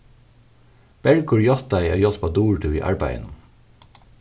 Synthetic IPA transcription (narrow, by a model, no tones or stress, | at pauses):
b̥ɛlɡʊɹjɔt̪æɪɑ̰ːjɔt̪pɑːd̪uːɹʈʰʉːḭːʔɑ̰ɹbæ̰ɪə̰n